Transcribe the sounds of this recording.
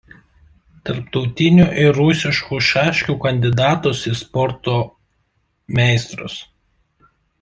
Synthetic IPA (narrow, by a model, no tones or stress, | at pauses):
t̪ɐɾpt̪ɒʊt̪ʲɪnʲuʔɪɾʊsʲɪʃkuːʃɑːʃʲkʲuːkɐnʲd̪ʲɪd̪ɑːt̪oːsɪspɔɾt̪oː | mʲɛˑɪst̪ɾʊ̰s